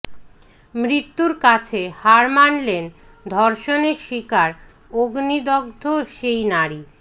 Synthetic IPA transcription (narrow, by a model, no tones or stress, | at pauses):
mɾit̪ːuɾkat͡ɕʰehaɾmanlen | d̪ʱɔɾʃoneɾʃikaɾ | oɡnid̪ɔɡ̚d̪ʱoʃejnaɾi